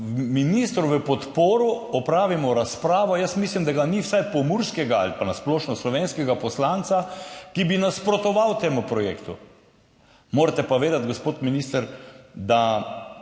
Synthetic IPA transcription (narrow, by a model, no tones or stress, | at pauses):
minist̪ɾuʋəpɔt̪poːɾɔɔpɾaːʋimɔɾaspɾaːʋɔjəsmislimd̪aɡaniwsajpɔmuɾskɛɡaa̰lipanasploːʃnɔslɔʋeːnskɛɡapɔslansakibinaspɾɔt̪ɔʋawt̪eːmupɾɔjḛːkt̪u | moːɾt̪ɛpoʋeːd̪at̪ɡospoːt̪minist̪əɾd̪a